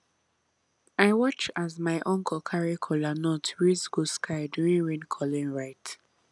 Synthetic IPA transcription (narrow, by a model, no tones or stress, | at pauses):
aɪwɔt͡ʃazmaɪʔɔ̃ŋkʰɔkʰaɹikʰɔlanɔtʰɹizɡoskʰaɪduĩŋɹĩnkʰɔlĩnɹaɪt